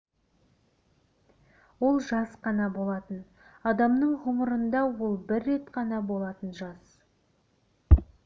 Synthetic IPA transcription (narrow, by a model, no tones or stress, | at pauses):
wo̞lˠʒɑsqɑnɑbo̞lˠɑt̪ən | ɑd̪ɑmnəɴʁʊməɾənd̪ɑwo̞lˠbɪɾːe̞t̪qʰɑnɑbo̞lˠɑt̪ənʒɑs